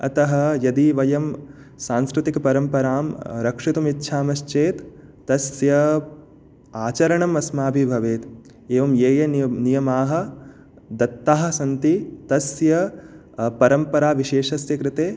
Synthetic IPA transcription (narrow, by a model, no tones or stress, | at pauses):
ɐt̪ɐɦɐ̆jɐd̪iʋɐjɐm | saːnskɾɪt̪ikɐpɐɾɐmpɐɾaːmɾɐkʂit̪umit̪ːʃʰaːmɐʃt͡ʃeːt̪ː | ɐsjɐ | aːt͡ʃɐɾɐɳɐmɐsmaːbʱibʱɐʋeːt̪ | eːʋɐmjeːjɐnijɐmaːɦɐ̆ | d̪ɐt̪ːaːɦɐ̆sɐnt̪it̪ɐsjɐ | pɐɾɐmpɐɾaːʋiʃeːʃɐsjɐkɾɪt̪eː